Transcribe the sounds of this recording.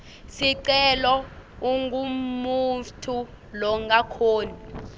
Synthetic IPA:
siǀɛlɔuŋɡʱumutʰu | lɔŋɡakʰoːni

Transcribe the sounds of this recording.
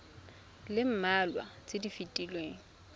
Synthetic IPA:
lɪm̩malwa̰t͡sʼɪdifitʼilweːŋ̩

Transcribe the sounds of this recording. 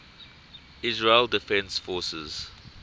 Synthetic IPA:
ɪzɹeldɪfɛ̃nsfɔsəz̥

